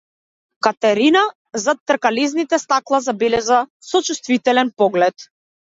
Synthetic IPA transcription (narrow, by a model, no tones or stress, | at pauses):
kat̪ɛɾina | zat̪ːr̩kaliznit̪ɛst̪aklˠazabɛlɛzasɔt͡ʃust̪vit̪ɛlɛnpɔɡlɛt̪